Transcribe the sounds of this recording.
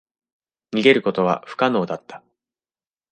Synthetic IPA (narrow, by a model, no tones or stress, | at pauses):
ɲ̟iɡe̞ɾɯ̟ko̞t̪o̞β̞a̰ɸɯ̥kano̞ːd̪at̪ːḁ